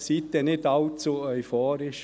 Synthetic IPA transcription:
sit̪ːɛnɪtɑlt͡suœʏfɔːɾɪʃ

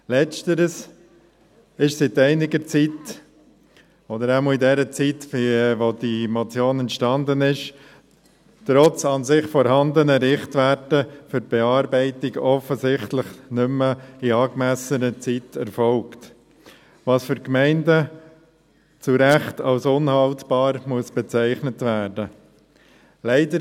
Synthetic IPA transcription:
lɛt͡stəɾəs | ɪʃsitɛɪnɪɡəɾt͡sit̪ | ɔd̪əɾæməidɛɾət͡sitfʋod̥̪imot͡sjoːnɛntʃtɑnd̪ənɪʃ | tɾɔt͡sɑnsɪχfɔɾhɑnd̪ənəɾɪχt̪ʋætəfʏɾb̥ɛɑːɾbɛɪtɪɡɔfəsɪχtlɪχnʏməiɑːkmæsənət͡sitɛɾfɔlkt | ʋɑːsfʏɾkmæɪndə | t͡suɾæχtɑlsʊnhɑltb̥ɑːɾmuəsb̥ɛt͡sæɪχnətvæːɾdə | lɛɪdəɾ

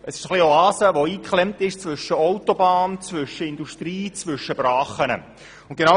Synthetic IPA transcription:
ʔəsɪ̥ʃχlioɑːsəʋoiːkχlɛmtɪʃt͡svʏʃəɔwtobɑːnt͡svʏʃəɪnduʃtriːt͡svʏʃəbrɑːχənə̰ | ʊntɡ̥ena

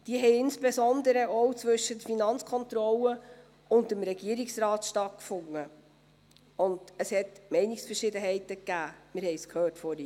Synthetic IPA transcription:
d̥iəɦɛɪɪnspesɔndəɾəʔɔwt͡svɵʃədəfinɑnt͡skʰɔntrɔlə | ʊntəmɾɛɡ̥iəɾiksrɑːtʃtɑt̚kfʊŋːə | ʊnd̥əshɛtmɛɪnɪksfərʃɪdəɦɛɪtəkːæːmɪɾhɛɪskʰhøːrtfɔɾi

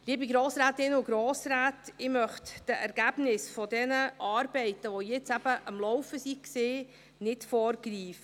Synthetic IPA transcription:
liːəbiɡɾoːsɾaːtɪnʊɡɾɔːsɾæːtɪmœχtd̥əʔæɾɡ̥æb̥nɪsfɔdɛnəʔɑːɾb̥ɛɪtəʋɔjɛt͡sæb̥əʔɑmlɔwfəsikseː | nɪtfɔːɾɡɾiːfə

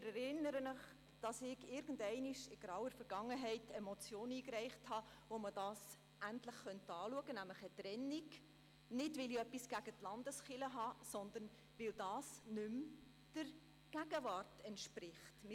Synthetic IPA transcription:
ɾɛɾɪnːəɾənəχ | d̥ɑsɪɡɪɾɡ̥ən̩dɛɪniʃɪɡ̥ɾɑwəɾfɛɾɡ̥ɑŋːəɦɛɪtɛmɔt͡sjoːniːkrɛɪχthɑ | ʋoməd̥ɑːs | ʔæntləχχœntɑːluəɡənæmləχətrɛnːik | nɪdʋɪliœpːisɡ̥æɡ̥ətlɑndəsχɪləɦɑːsɔnd̪ən | ʋɪld̥ɑːsnʉm | d̥ər | ɡ̥æɡ̥əvɑrtɛntʃprɪχtmɪ

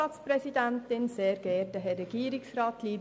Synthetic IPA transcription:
ɑːtsprɛsid̪æntɪnseːɾɡ̥ɛːɾd̥əɦɛrːɛɡ̥iːɾɪksrɑːtliːb

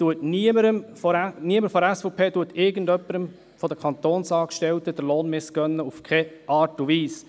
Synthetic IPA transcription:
tuətniəməɾəmfɔniəməɾfɔɾɛsfɔpʰeːtuətɪɾɡən̩dœpːəɾəm | fɔd̪əkʰɑnt̪oːnsɑːkʃtɛltəd̥əɾloːnmɪsɡ̥œnːəufkʰɛʔɑːɾtuʋiːs

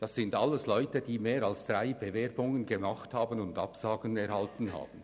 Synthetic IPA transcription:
d̥ɑsːɪndɑlːəslɔʏtədiːmeːɾɑlsd̥ʁaɪb̥evɛɾbʊŋənɡəmɑχthaːbənʊndɑ̰psɑːɡənɛʁhɑltn̩ɦa̰ːbən̩

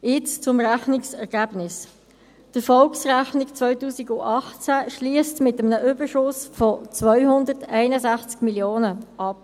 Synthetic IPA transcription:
jɪt͡st͡sʊmʁæχnɪksɛʁɡ̥æːb̥nɪs | d̥əfɔlksʁæχnɪkt͡svœʏtuːsiɡʊʔɑχt͡sæʃliəstmɪtəmnəʔʏbəʃʊsfɔt͡svœʏhʊndətæɪnəzæχt͡skmiljoːnəʔɑp

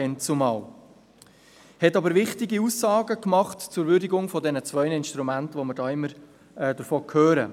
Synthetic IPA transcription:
ɛnt͡sʊmɑʊ | hɛtɑbəɾʋɪχtɪɡiusːɑːɡəkmɑχtt͡sʊɾʋʏɾdɪɡʊŋfɔdɛnət͡sʋœʏnəɪnʃtɾumæntʋoməɾdɑːɪmːəɾ | ɛːd̥əɾfoːkʰøːɾə

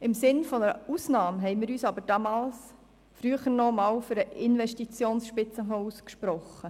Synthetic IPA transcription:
ɪmsɪnfɔnəɾəusnɑːmɦɛɪnmɪːɾyːsɑbəɾd̥ɑmɑːls | fɾyːəχəɾnɔmɑːwfʏɾəʔɪnvɛʃtit͡sjoːnsʃpɪt͡səɦɔuskʃpɾɔχːə

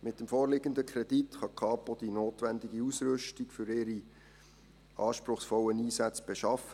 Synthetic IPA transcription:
mɪt̚d̥əmfoːrlɪɡəndəkʰɾɛd̥itχɑkʰɑːpod̥inoːtʋændɪɡiusɾʏʃtikfʏɾɪɾi | ɑːʃpɾʊχsfɔlːəniːsæt͡sb̥eʃɑfə

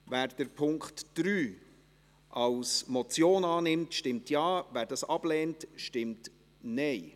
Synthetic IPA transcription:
væːɾd̥əɾpʰʊŋkχtd̥ɾyː | ʔɑlsmɔt͡sjoːnɑːnɪmtʃtɪmtjɑːvæːɾdɑsɑb̥lɛːntʃtɪmt | nɛɪ

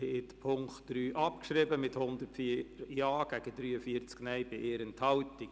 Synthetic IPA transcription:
hɛtpʰʊŋktd̥ɾyːʔɑpkʃɾɪbəmɪthʊnd̪ətfiɾjɑːɡ̥æɡədɾyːəfiəɾt͡sknɛɪbɪʔeːɾənthɑlti

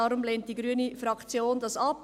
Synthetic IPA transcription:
ɑɾʊmleːnt̚d̥iɡɾyənifɾɑkt͡sjoːndɑsɑp

